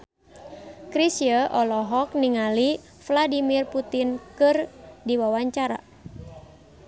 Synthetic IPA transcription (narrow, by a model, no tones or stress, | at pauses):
kɾisiəʔɔlɔɦɔk̚niŋali | fladimirput̪inkɨrdiwawaɲt͡ʃaɾa̰